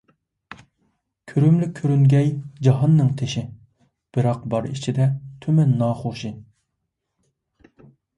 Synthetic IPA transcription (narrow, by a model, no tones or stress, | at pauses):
kʲʰøɾymlykʲʰːøɾyŋɡʲɛjd͡ʒɑɦɑnːɨŋt̪ʰeʃɪ | b̥ɨɾɑqbɑɾḭt͡ʃʰid̪ɛt̪ʰymɛnːɑːχoʃɨ